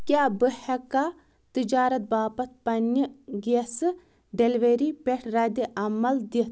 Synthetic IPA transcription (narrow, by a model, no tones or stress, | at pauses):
kʲjaːbɨhɐka | t̪ɨd͡ʒaːɾɐt̪̚baːpɐt̪̚pɐnːɨɡesɨ | ɖelʋeɾipeʈʰɾɐd̪ʲiʔɐmɐld̪it̪